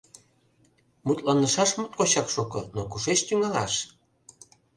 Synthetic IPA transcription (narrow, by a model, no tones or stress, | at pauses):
mut̪lɑnəʃɑʃmut̪̚koɕɑkʃokɤnokuʃeʃt̪yŋɑlɑ̰ʃ